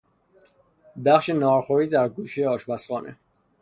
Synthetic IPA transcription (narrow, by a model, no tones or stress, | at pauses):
bæχʃenɒːɾxoɾiːd̪æɾɡuːʃejeɒːʃbæsχɒːnʔḛ